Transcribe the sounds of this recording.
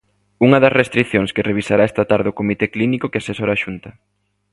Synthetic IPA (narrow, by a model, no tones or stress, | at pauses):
uŋɐðɐsrest̪ɾiθjoŋskɪreβ̞isaɾaɛst̪at̪aɾðeokomit̪eklinikokeasesoɾaʃunt̪ɐ